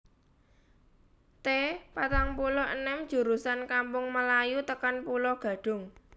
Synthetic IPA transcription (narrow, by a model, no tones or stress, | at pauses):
t̪epat̪aŋpulɔʔənɛmd̥ʒ̥ṳɾusankampʊŋməlajut̪əkanpulɔɡ̥ä̤ɖ̥ʊ̤ŋ